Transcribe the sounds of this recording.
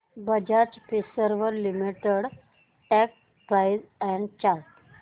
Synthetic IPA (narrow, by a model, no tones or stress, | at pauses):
bəd͡ʑat͡ɕpisəɾʋəɾlimiʈeɽ | ʈɛk̚ | pɾajzɛ̃ɳɖt͡ɕaɾʈ